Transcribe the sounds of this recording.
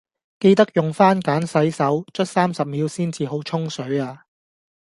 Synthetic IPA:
ke˧jt̪ɐ˥k̚jʊ˨˩ŋfaː˥nkaː˨˥nsɐ˨˥jsɐ˨˥wt͡ʃʰɵ˥t̚saː˥msɐ˨p̚miː˨˧˥wsiː˥nt͡siː˨ɦo˨˥wt͡ʃʰʊ˥ŋsɵ˨˥ɥaː˧

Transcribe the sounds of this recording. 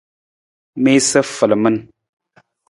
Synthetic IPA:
me˦sə˦fə˨lə˨mə˦n

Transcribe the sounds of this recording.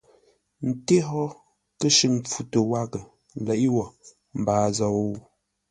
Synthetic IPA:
n̩˨te˦ɦɔ˦ | kə˦ʃɨ˦˨ŋp͡fu˨tə˨wa˦ɡə˨ | lɛ˨ʔi˦wɔ˨ | m̩˨baː˨zɔ˨˦˨

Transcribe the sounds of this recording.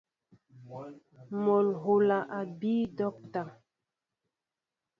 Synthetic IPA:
mo˨lɦo˨la˨ʔa˨bi˦dɔ˦k̚ta˨

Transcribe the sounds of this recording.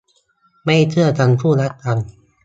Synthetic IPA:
ma˥˩jt͡ɕʰɯ˥˩ɐt͡ɕa˧npʰuː˥˩ɾa˦˥t̪̚ːa˧n

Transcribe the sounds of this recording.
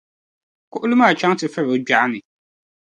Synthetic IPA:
kʰʊ˦ʔlu˦mã˦a˨t͡ɕʰᶣã˦tʰɪ˨fɛ˦ɾɔ˨˦d͡ʑᶣa˨˦nɪ̃˨

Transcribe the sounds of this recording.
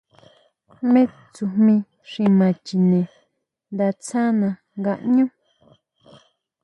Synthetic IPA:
mẽ˦ | t͡su˧hmĩ˧ | ʂĩ˧mã˨t͡ʃi˨nẽ˨ | nd̪a˧t͡sʰã˦nã˧ | ŋɡa˧˨ʔɲũ˦

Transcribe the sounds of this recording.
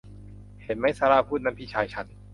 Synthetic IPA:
he˨˦n̚ma˦˥˩jsaː˧ɾaː˧pʰuː˥˩t̪̚na˧˥mpʰi˦˥˩t͡ɕʰaː˧jt͡ɕʰa˧˥˩n

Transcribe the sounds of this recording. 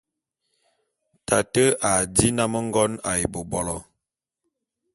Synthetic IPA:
tʰa˨tə˦a˨di˦na˦mə˦ŋ˦ɡɔ˦na̰˨ji˨bo˨bɔ˨lɔ˨

